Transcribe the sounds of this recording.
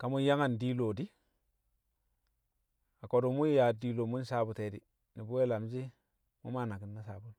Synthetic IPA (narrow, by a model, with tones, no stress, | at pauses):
ka˨mu˦ja˦ŋa˨ndi˦lo˨di˦ | a˨ko˨du˨mu˦jja˨di˨lo˨mu˦n˦sa˦bu˨te˨di˨ | ni˨bu˦we˦la˨m˦d͡ʒi˦ | mu˦ma˦˨na˨ki˨nːa˦sa˨bu˦l